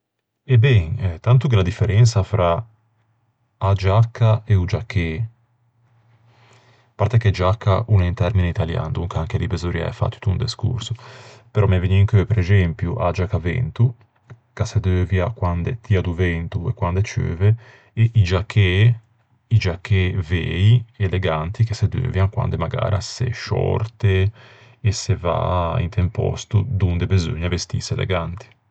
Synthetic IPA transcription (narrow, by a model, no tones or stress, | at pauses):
ebɛŋt̪ant̪ukelad̪ifːeɾʔɛnt̪safɾʔa | ad͡ʒakːaeud͡ʒakʰːe | paɾt̪ɛked͡ʒakːaʔunaint̪ɛɾmineit̪alja̰nd̪uŋkaaŋkelibezoɾia̰ɛ̰fa̰t̪ːu̥t̪und̪eskṵɾsupeɾɔmɛveɲiiŋkøpeɾezɛmpjuʔa̰d͡ʒakːavɛ̰nt̪u | kased̪øːvjakwand̪et̪iad̪uvɛnt̪uekwand̪et͡ʃø̰ːve | eʔid͡ʒakːe | id͡ʒakːeveieleɡant̪ikesed̪ø̰ːvjaŋkwa̰nd̪emaɡa̰ːɾʔasḛʃɔ̰ɾt̪e | eseva̰ḭnt̪ʰempɔ̰st̪ud̪und̪ebezo̰ɲːavest̪ḭselḛɡant̪i̥